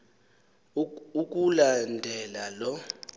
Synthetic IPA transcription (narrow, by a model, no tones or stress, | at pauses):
uk̬ʼulandʱɛlalɔ